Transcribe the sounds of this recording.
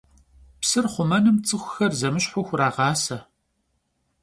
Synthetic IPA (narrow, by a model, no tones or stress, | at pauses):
psɨrχʷʊmɐnɨmt͡sʼɨxʷʊxɐrzɐmɨɕħʊxʷraːʁɑːsɐ